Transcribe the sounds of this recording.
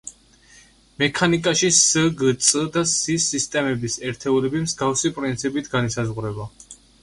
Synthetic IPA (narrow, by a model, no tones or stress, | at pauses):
mɛkʰanikʼaʃisəɡt̪sʼəd̪asisist̪ʼɛmɛbisɛɾt̪ʰɛulɛbimzɡafsipʼɾint̪sʰipʼit̪ʰɡanisazʁɾɛba